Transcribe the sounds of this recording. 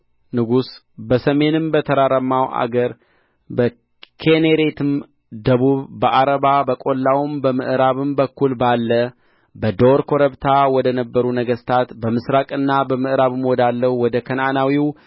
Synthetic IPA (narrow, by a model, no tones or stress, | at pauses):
nɨɡus | bəsəme̞nɨmbət̪ʰəɾaɾəmːawʔa̰ɡəɾ | bə | kʰeneɾet̪ʰɨm | d̪əβuβbəʔaɾəβabəkʼo̞lːawmbəmɨʔɾaβɨmbəkʰːulbalːə | bəd̪oɾkʰo̞ɾəβt̪ʰawɔd̪ənəbːəɾunəɡəst̪ʰat̪bəmɨsɾakʼɨnːabəmɨʔɨɾaβɨmwɔd̪alːəhuwɔd̪əkʰənanawiw